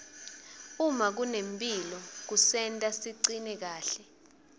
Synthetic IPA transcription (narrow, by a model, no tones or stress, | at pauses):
umak̬unempʼilɔk̬usɛntʼasiǀinɛk̬aːɬɛ